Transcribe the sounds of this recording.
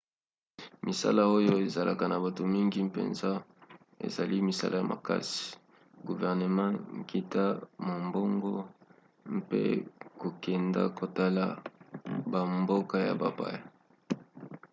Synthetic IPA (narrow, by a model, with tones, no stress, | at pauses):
mʔi˨sa̰˦la˦o˦jo˦e˨za˨lʔa̰˨ka˨na˨ba˨to˨mi˦ŋɡi˦pḛ˨nza˦ | ḛ˨za˨li˦mi˨sa̰˦lʔa˦ja˨mʔa̰˨ka̰˦si̥˨ | ɡu˨vɛ˨ʁne˨mɑ̃˦ki˨ta˦ma˨mbo˦ŋɡo˦ | mpḛ˦ko˨kɛ˨nda̰˦ko˨ta˦la˦ | ba˨mbo˦ka˦ja̰˨ba˨ba̰˦ja˨